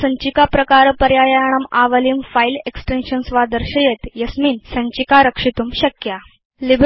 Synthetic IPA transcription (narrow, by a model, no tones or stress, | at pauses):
əɲt͡ɕikapɾəkaɾpəɾjajajaɽ̃əmaʋəlimfaileksʈenɕənsʋad̪əɾɕəjet̪jəsmiːnsəɲt͡ɕikaɾəkʂit̪uːmɕəkja | lib